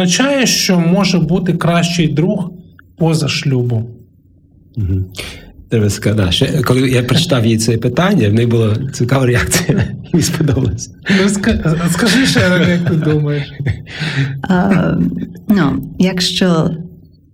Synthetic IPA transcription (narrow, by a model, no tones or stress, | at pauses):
nɐt͡ʃɑjɛʃt͡ʃɔmɔʒɛbut̪ɪkɾɑʃt͡ʃɪjd̪ɾuxpɔzɐʃlʲubʊm | ɦ̩t̪eʋɛskɐd̪a̰ʃt͡ʃɛkɔlˠɪjapɾet͡ʃɪ̥t̪ɑwjijt͡s̪sʲɛjɛpɪt̪ɑnʲːɐwnɛjbʊlˠɔt͡sʲikɑʋɐɾeɑk̚sijɐjʲispɔd̪ɔbɐlˠɐsʲɐnuskɐskɐʒɪʃɛjɐk̚t̪ɪd̪umɐjeʃ | nujɐkʃt͡ʃɔ